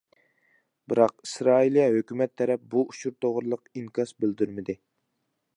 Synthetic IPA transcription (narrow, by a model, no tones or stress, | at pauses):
bɪɾɑq̚isɾɑːilˠijɛhøkʲymɛt̪ʰːɛɾɛp̚buuʃuɾt̪ʰoʁɾɨlˠəqiŋkʲɑsbɪld̪yɾmɪd̪ɪ